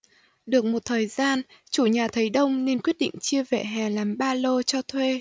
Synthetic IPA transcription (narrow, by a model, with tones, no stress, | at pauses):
ɗɨ˨˩ək̚mo˨˩t̚t̪ʰəː˨˩jzaː˧nt͡ɕu˧˩ɲaː˨˩t̪ʰə˨˦jɗə˧wŋ͡mne˧nkwi˦˥ət̚ɗḭ˧˨ŋ̟t͡ɕɨ˧əvḛ˧˨ɦɛ˨˩laː˨˩mɓaː˧lo˧t͡ɕɔ˧t̪ʰwe˧